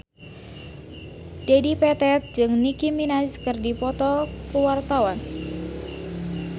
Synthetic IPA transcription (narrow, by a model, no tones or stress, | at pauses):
d̥edipɛt̪ɛt̪̚d͡ʒɨŋnikiminaskərdipɔt̪ɔkuwart̪awan